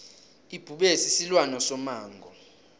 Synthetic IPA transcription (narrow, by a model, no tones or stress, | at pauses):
ib̥ʱuɓɛsisilwanɔsɔmaːŋɡʱɔ